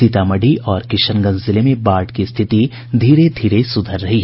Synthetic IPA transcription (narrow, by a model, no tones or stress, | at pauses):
ɪt̪amɐɖiʔɔːɾkɪʃənɡə̃nd̪zɪlemẽbaːɾʈkist̪ʰɪt̪i | d̪ʱiːɾed̪ʱiːɾesʊd̪ʱəɾːɐɦiɦ